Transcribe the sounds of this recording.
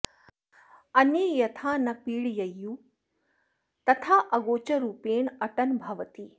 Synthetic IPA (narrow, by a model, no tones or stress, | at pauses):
ɐnjɐjɐt̪ʰaːnɐpiːɽjɐjːu | t̪ɐt̪ʰaːʔɐɡoːt͡ʃɐɾuːpeːɳɐʈɐnbʱɐʋɐt̪i